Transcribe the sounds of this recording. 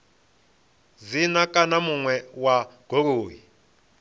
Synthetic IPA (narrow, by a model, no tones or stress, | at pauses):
zinakʼanamuŋwɛwaɡ̥ʱoɾoːji